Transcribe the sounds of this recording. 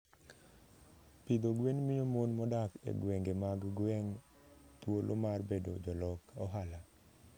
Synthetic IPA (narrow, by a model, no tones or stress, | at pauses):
pid̪oɡwenmɪjomonmɔdakḛɡwɛŋɡemaɡɡwɛŋ | t̪wolʔomarbedo̰d͡ʒɔlɔkɔɦala